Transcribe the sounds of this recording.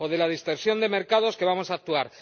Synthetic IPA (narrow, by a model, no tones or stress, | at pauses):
oðe̞lað̞ist̪o̞ɾsjo̞nd̪e̞meɾkað̞o̞ske̞βamo̞saːk̚t̪uaɾ